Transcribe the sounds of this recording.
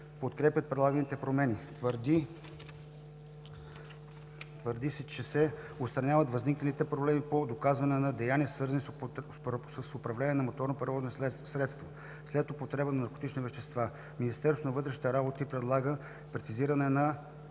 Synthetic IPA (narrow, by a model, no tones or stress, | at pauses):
pot̪kɾɛpjət̪̚pɾɛd̪lˠaɡənit̪ɛpɾomɛnit̪vɾd̪i | t̪vəɾd̪isɛt͡ʃɛsɛ | ot̪st̪ɾɐnʲavɐt̪vɐzniknɐlit̪ɛpɾoblɛmipod̪okazvɐnɛnɐd̪ɛjaniəsvɤɾzəni | səsʊpɾɐvlɛnʲiɛnɐmot̪ɔɾnopɾɛɾvɔznisɾɛt̪st̪vo | slɛt̪opot̪ɾɛbənɐnɐɾko̥t̪it͡ʃnivɛʃt̪ɛst̪va | minist̪ɛɾst̪onɐvɤt̪ɾɛʃni̥t̪ɛɾabot̪ipɾɛd̪lˠaɡə | pɾɛt̪iziɾɐnɛnɐ